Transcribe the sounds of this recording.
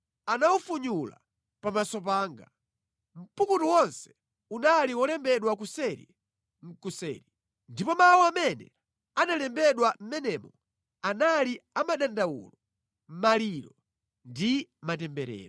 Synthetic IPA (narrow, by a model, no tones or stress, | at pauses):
anaufuɲula̰ | pamasɔp̬aːŋɡa | m̩pukutuwɔnsɛ̥ | unaliwɔlɛmbɛɗwak̬usɛɾḭ | ŋ̩kusɛ̰ɾi | ndipɔmawɔamɛnɛ | analɛmbɛɗwam̩mɛnɛmɔ | analiamaɗandawṵlɔ | m̩maliɾɔ | ndimatɛmbɛɾɛ̰ːɾɔ